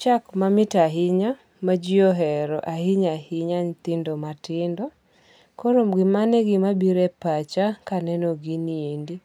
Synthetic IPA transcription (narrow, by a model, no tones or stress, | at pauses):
t͡ʃakmamɪtaɦɪɲa | mad͡ʒiɔɦɛɾɔʔahɪɲahɪɲaɲt̪ɪndɔmatɪndɔ | koɾomɡɪmanɛɡɪmabiɾɛpat͡ʃakanɛnoɡiniendi